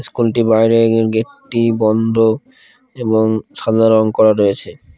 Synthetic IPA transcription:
skulʈibajɾeɾɡeʈːibɔnd̪ʱo | eboŋʃad̪ʱaɾonkɔɾaɾojet͡ɕʰe

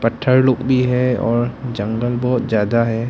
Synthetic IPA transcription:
pəʈʰːəɾloːkbʱiɦɛɔːɾd͡ʒə̃ŋɡəlbɔːt̪zjaːd̪aɦɛː

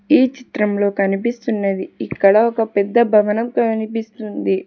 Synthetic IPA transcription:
iːt͡ʃi̥t̪ɾɐmlo̞ːkɐnipist̪unːeːd̪iikːɐɽɐɔkɐpɛd̪ːɐbʱɐʋɐnɐmkɐnipist̪und̪i

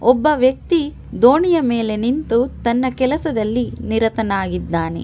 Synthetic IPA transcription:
ɔbːɐʋjɐk̚t̪i | d̪oːɳijɐmeːle̞nint̪ut̪ɐnːɐkɛlɐsɐd̪ɐlːiniɾɐt̪ɐnaːɡid̪ːaːne̞̰

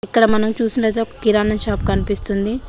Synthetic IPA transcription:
ikːɐɽɐmɐnɐmt͡ʃuːsunɐlet̪̬eɔkɐ̥kiɾaːnɐmʃaːp̚kɐnipist̪und̪i

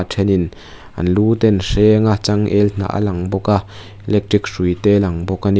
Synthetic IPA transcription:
tʰɛnin | ʔɐ̰nluːt̪ɛnsɛːŋat͡saŋʔɛln̥a̰ʔa̰laŋbɔka | ɛlɛk̚ʈrik̚sujt̪ɛːlɐŋbɔkani

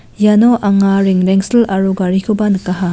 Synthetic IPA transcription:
janoʔaŋaɾiŋɾeŋsilaɾuɡaɾikʰubankaɦa

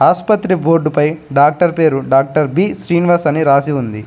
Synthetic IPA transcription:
aːspɐt̪ɾiboːɖupɐjɖaːk̚ʈɐɾpe̞ːɾuɖaːk̚ʈɐɾbiːsɾiːnʋɐɾsɐniɾaːsiund̪i

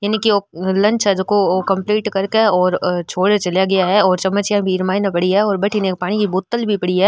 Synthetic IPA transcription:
jaːnikioːlɐ̃nt͡ʃɦɛd͡ʒʊkooːkɐ̃mpliːʈkɐɾkeɔːɾt͡ʃʰoːɽet͡ʃɐljaɡɐjaɦɛɔːɾt͡ʃɐmːət͡ʃjãbʱiːɾmaːjnapɐɽiɛɔːɾbɐʈʰineːk̚paːɽ̃ikibʊːt̪ːəlbʱipɐɽiɦɛː

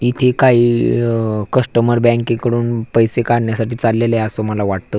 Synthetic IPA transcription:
it̪ʰekaɦiː | kəsʈəməɾbɛ̃ŋkekəɽuːnpəjsekaɽɳjasaʈiːt͡salːeləjasoməlaʋaʈt̪əː

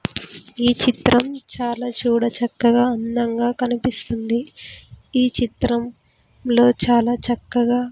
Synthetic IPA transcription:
iːt͡ʃit̪ɾɐmt͡ʃaːlaːt͡ʃuːɽɐt͡ʃɐkːɐɡaːɐnd̪ɐŋɡaːkɐnipist̪und̪i | iːt͡ʃit̪ɾɐm | lo̞ːt͡ʃaːlaːt͡ʃɐkːɐɡaː

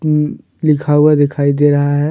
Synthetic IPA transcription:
lɪkʰaːuad̪ɪkʰaːid̪eɾɐɦaɦɛ

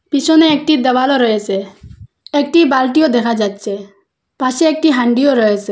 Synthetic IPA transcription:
pisʰɔneek̚ʈid̪əbalɔɾɔet͡ʃʰe | ek̚ʈibalʈijod̪ɛkʰad͡ʒat̪ːt͡ʃʰe | paʃeek̚ʈiɦaɳɖijoɾɔet͡ʃʰe

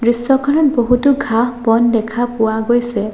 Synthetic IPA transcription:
dɹisɔkʰɔnɔt̚boɦutuɡʱaɦbɔndɛkʰapʊaɡojsɛ

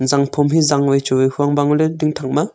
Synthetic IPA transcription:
zaŋpʰɔmɦizaŋwajt͡ʃuwejhuaŋbaŋulediŋtʰaŋ̚ma

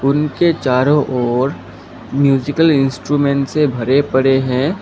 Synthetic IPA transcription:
ʊnket͡ʃaːɾõʔɔːɾ | mjuːzɪkəlɪ̃nsʈɾuːmẽːɳʈsebʱɐɾepɐɽeɦɛ̃ː

